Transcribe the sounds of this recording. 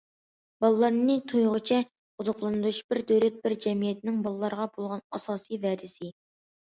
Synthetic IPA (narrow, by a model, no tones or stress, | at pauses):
bɑlˠlːˠɑɾnɨt̪ʰojʁʊt͡ʃʰɛ | uzʊqlˠɑnɨd̪uʃbɪɾd̪øwɾɛt̪̚bɪɾd͡ʒɛmijɛt̪nɪŋbɑlˠɨlˠɑɾəʁɑbolˠʁɑnɑsɑːsivɛd̪ɪsɪ